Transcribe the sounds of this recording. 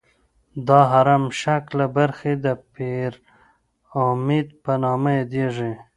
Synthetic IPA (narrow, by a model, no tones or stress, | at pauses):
d̪ɑɦaɾamʃaklabaɾxed̪əpeɾ | omed̪̚panɑmaed̪eʐe